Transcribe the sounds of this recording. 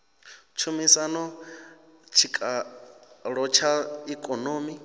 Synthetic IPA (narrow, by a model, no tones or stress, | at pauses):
t͡ʃʰumisanɔ | t͡ʃʰikʼa | ɺɔt͡ʃʰaikʼɔnoːmi